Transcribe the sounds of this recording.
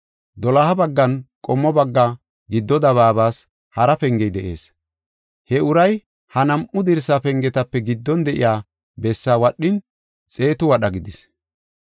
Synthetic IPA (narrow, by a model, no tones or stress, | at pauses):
d̪ɔlɐhɐbɐɡːɐnkʼɔmːɔbɐɡːa | ɡɪd̪ːɔd̪ɐβaːbaːs | hɐɾɐpɛŋɡɛjd̪ɛʔe̞̰ːs | hɛʊɾɐj | hɐnɐmʔʊd̪ɪɾsapɛŋɡɛt̪ɐpːɛɡɪd̪ːɔnd̪ɛʔɪ̰jaː | bɛsːaːwɐɗːɪn | t͡sʼe̞ːt̪ʊwɐɗɐɡɪd̪ɪs